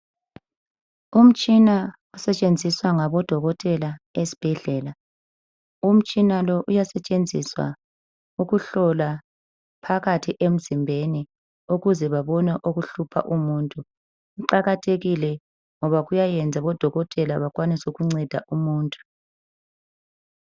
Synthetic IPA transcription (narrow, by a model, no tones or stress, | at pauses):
um̩t͡ʃʼina | usɛt͡ʃʼend͡zʱiswaŋaβɔd̥ʱɔɣɔtʼɛlaesi̥b̥ʱɛɮɛːla | um̩t͡ʃʼinalɔʔujasɛt͡ʃʼend͡zʱḭswa̰ | uɣuɬɔla | pʰaɣatʰiʔem̩zimbʱeni | uɣuzɛβaβɔnɛʔoɣuɬupʰa̰ʔumuːntʼu | uǃaɣatʰeɣilɛ | ŋɔβaɣujajɛnd͡zʱaβɔd̥ʱɔɣɔtʼɛlaβakwanisɛuɣuŋ͡ǀɛd̥ʱa̰ʔumuːntʼu̥